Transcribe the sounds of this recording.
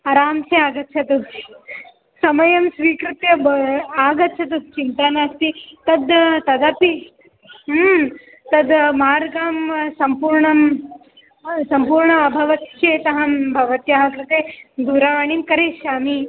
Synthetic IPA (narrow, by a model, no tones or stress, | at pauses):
ɐɾaːmseaːɡɐt̪ːt͡ʃʰɐt̪u | sɐmɐjɐmsʋiːkɾut̪jɐaːɡɐt̪ːt͡ʃʰɐt̪̬ust͡ʃint̪aːnaːɐst̪it̪ɐd̪t̪ɐd̪aːpi | t̪ɐd̪maːɾɡaːmsɐmpuːɾɳɐm | sɐmpuːɾɳɐːbʱɐʋɐt̪t͡ʃeːt̪ɐɦɐmbʱɐʋɐt̪jɐɦakɾɨt̪eːd̪ʱuɾaʋaːɳ̃iːmkɐɾeːʃaːmi